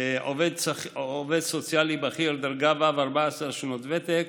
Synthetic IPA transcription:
ʔoved̪soved̪sot͡sjalibaχiɾld̪aɾɡavavaʁbaasaʁʃnot̪vet̪ek

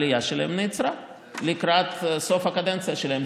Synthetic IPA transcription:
lijaʃel̰hemnit͡sɾa | likɾat̪so̞fhakad̪ent͡sijaʃelahem

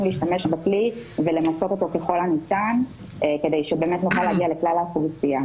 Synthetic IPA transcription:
mliːʃtame̞ʃbaklivele̞maso̞to̞t̪o̞keχo̞lanitan | ke̞dejʃebemetnuχaleaɡiale̞klalaχuvisija

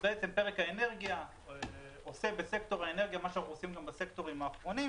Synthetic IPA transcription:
beet͡sempeʁekhaene̞ʁɡija | ose̞bese̞kto̞ʁaene̞ʁɡijamaʃanaχuosimɡambasekto̞ʁimaːχʁo̞ni

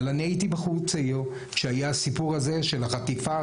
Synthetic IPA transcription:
laneit̪ibaχut͡sejo | ʃeajaasipuʁhaze̞ʃelaχat̪ifa

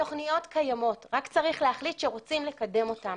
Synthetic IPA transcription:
o̞χnijo̞tkʰajamo̞tʁakt͡saʁiχleɦaχlitʃeʁo̞t͡simlekade̞mo̞tam

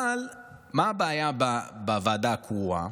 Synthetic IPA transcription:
al | mabaːjababavad̪akʰua̰

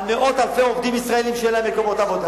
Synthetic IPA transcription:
meʔo̞t̪alfeovd̪imisʁae̞limʃeelamekomo̞t̪avo̞d̪a

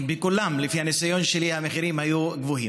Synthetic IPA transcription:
bekulamlefihanesajo̞nʃelihameχiɾimhajuɡvoɦi

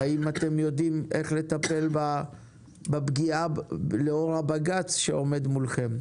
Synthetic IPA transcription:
aimat̪e̞mjo̞d̪ime̞χle̞t̪ape̞lba | bebɡialeo̞ʁhabaɡat͡sʃeo̞me̞d̪mulχe̞m

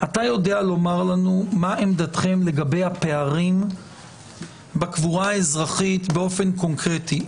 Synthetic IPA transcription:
ʔatajo̞dealo̞maʁlanumaʔemd̪at̪χe̞mle̞ɡabe̞jape̞aʁim | bekvuʁaezʁaχit̪beo̞fe̞nko̞ŋkʁeti

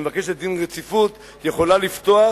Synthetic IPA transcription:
evake̞ʃet̪̚d̪inʁet͡sifut̪ | je̞χo̞lalift̪o̞a

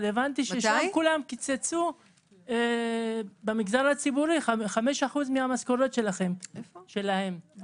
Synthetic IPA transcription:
levant̪iʃeʃamkulamkit͡set͡su | bemiɡzaʁhat͡sibuʁiχaχameʃaχuzmihamasko̞ɾo̞t̪ʃe̞laχe̞mʃe̞lahe̞m

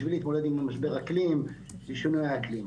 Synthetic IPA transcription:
viliːt̪mo̞led̪imlemaʃbe̞ʁaklim | biʃunujaaklim

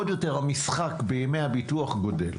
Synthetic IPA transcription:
odjo̞te̞ʁhamisχakbejemejhabituaχɡo̞dḛl

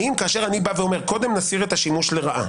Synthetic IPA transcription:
imkaːʃe̞ʁanibaveo̞me̞ʁko̞d̪e̞mnasiʁet̪aʃimuʃle̞ʁaʔa̰

